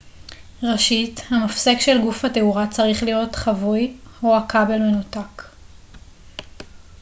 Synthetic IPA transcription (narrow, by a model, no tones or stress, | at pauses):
ʁaʃithamafsekʃe̞lɡufhateuʁat͡saʁiχlijo̞tχavujhoakabe̞lme̞nutak